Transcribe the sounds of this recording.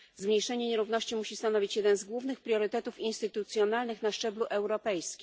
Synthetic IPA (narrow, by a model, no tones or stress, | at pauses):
zmɲejʂɛɲɛɲeɾuvnɔɕt͡ɕimuɕist̪anɔvʲit͡ɕjɛd̪ɛnzɡwuvnɘxpɾʲjɔɾɘt̪ɛt̪ufinst̪ɘt̪ut̪sʲjɔnalnɘxnaʂt͡ʂɛbluʔɛwɾɔpɛjskʲi̥